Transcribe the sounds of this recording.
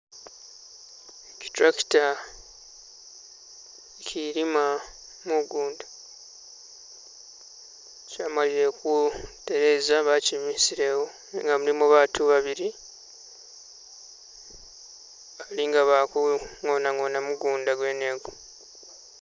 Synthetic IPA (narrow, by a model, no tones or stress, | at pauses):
eci̥tɾaki̥ta | cʰiɾima | muɡuːndḁ | caːmaliɾe̞kute̞ɾe̞zaβacimisiɾe̞wo | ŋɡamulimuβaːtʰuβaβiɾi | aliŋɡaβakuŋonaŋo̞namuɡuːndaɡwe̞ːne̞ːɡo